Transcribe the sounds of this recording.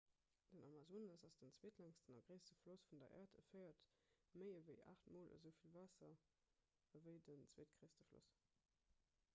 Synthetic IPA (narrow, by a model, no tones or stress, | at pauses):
d̥ənʔɑmɑzoːnɑsɑsd̥ənt͡sweːtlæŋstənɑɡʁeɪstəflosfundɐ̰ʔæ̰ːɐtə̰fəɪɐt | məɪəvəɪʔa̰χtmoːlʔə̰zəʊfilvɑːsɐ | əvəɪdənt͡sweːtɡ̥ʁeɪstəflo̰s